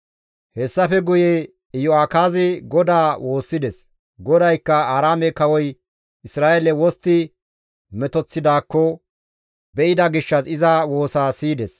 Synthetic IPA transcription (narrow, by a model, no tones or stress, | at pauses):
hɛsːɐfɛɡʊje | jɔaːkaːzɪɡɔd̪aːwʔo̞ːsːɪd̪ɛs | ɡɔd̪ɐjkːɐaːɾaːmɛkɐwɔj | ʔɪsɾaːʔɛlɛwɔst̪ːɪ | mɛt̪ɔt͡sːɪd̪aːkːɔ | bɛʔɪd̪ɐɡɪʃːɐsɪzɐwo̞ːsaːsiːd̪ɛs